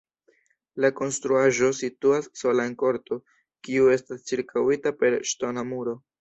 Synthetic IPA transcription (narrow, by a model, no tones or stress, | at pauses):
lako̞nstɾuaʒo̞situasːo̞laenko̞ɾto̞ | kiue̞stast͡siɾkʰawitape̞ɾʃto̞namuɾo̞